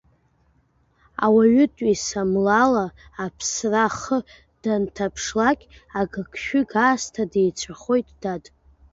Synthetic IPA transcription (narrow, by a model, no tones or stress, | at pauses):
a̰waɥʏtʼisamlalaːpʰsraχə | d̥antʰapʰʂlakʲʼaɡɨkʰʃᶣʏɡaːstʰadejt͡ʃʷʰaχo̞jtʼd̥atʼ